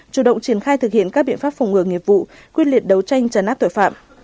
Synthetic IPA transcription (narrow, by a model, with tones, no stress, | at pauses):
t͡ɕu˧˩ɗə̰˧˨wŋ͡mt͡ɕi˧˩ənxaː˧jt̪ɨ˨˩hḭ˧˨ənkaː˦˥ɓḭ˧˨əfaː˦˥p̚fa˨˩wŋ͡mŋɨ˨˧˩əŋi˨˩əp̚vṵ˧˨ | kwi˧nli˨˩ət̚ɗə˨˦wt͡ɕa˧jŋ̟t͡ɕə˨˩nʔaː˦˥p̚t̪o˧˨jfa̰ː˧˨mʔ